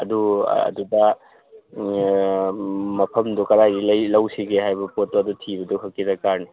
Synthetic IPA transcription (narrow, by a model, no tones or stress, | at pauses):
ɐduɐ̰dudɐ | mɐpʰɐmdukɐɾajilɐjlɐwsiɡehajbɐpot̚ːuɐdutʰibɐduɦɐkːidɐkaɾni